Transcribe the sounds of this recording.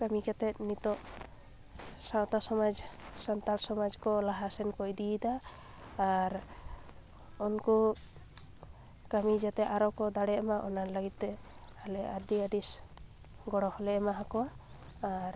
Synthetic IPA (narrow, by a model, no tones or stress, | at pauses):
kamikɛt̪ɛt̪̚nit̪ɔʔ | sawt̪asɔmad͡ʒsant̪alsɔmad͡ʒkɔlaɦasɛnkɔjd̪id̪aː | ɾ | unku | kamid͡ʒat̪ɛʔaɾɔkɔd̪aɽɛʔamaʔɔnanləɡit̪̚ːɛalɛaɾɖiaɖis | ɡɔɽɔhɔlɛmaɦakɔwaː | ɾ